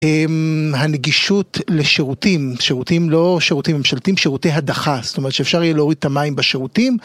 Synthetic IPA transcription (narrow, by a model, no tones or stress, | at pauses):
emɦaneɡiʃutle̞ʃeʁutimʃeʁutimlo̞ʃeʁut̪imːemʃalt̪imʃeʁutejɦadaχastomet̪ʃeːfʃaʁijeleoʁid̪̚t̪amajimbaʃeʁutim